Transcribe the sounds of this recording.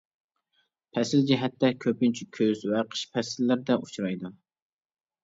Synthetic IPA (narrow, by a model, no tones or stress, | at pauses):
pʰɛsɪld͡ʒiɦɛt̪ːɛkʲʰøpynt͡ʃʰikʲʰøzvɛqʰə̥ʃpʰɛsɪlːɪɾɪd̪ɛʔut͡ʃʰɾɑjd̪u